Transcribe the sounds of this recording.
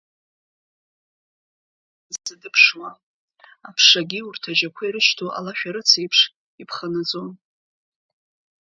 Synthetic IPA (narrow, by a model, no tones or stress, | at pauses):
sɨdɨpʰʂwa | apʰʂaɡʲiurtʰad͡ʒakʷʰaiɾɨʃtʰoʔa̰laʃᶣaɾɨt͡sʰaipʰʂ | ipʰχanad͡zʼon